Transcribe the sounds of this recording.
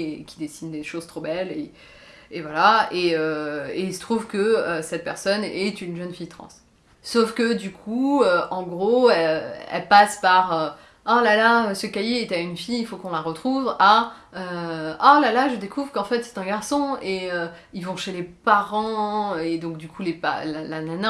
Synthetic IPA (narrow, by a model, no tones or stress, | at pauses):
kʲid̪esind̪eʃoz̥t̪χobɛle | evwalaeøeisə̥t̪χuvkəøsɛt̪̚pɛʁsɔnɛt̪ynʒœnfijt̪χɑ̰̃sː | ofkəd̪ykʰuøʔɑ̃ɡʁoɛɛ̰lpaspaʁø | alalaøsəkajeːt̪aynfijifokɔ̃laʁət̪χuvaøalalaʒəd̪ekuvʁkɑ̃fɛt̪sɛ̥t̪ɛ̃ɡaʁsɔ̃eø | ilvɔ̃ʃelepaʁɑ̃ed̪ɔ̃kd̪ykʰulepa̰lalanana